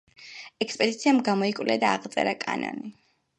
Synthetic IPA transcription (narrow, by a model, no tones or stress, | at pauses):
ɛkʰspʼɛd̪it̪sʰiamɡamɔikʼwliad̪aːʁt̪sʼɛ̰ɾakʼa̰nɔ̰ni